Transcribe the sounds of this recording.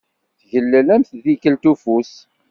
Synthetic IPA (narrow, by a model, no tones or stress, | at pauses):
θʝəlːælæmθðikəlt̪ufus